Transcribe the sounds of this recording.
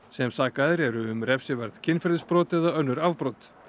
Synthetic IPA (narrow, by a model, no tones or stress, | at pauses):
sɛmsaːkaðɪɾɛɾʏːmrɛfsɪvɛɾðcʰɪnfɛɾðɪspɾɔːt̪ɛðaœnːʏɾavpɾɔwt̪